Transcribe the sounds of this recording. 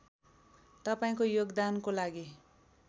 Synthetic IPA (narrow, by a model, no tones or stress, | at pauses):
t̪ʌpaĩkojoɡd̪ankolaɡi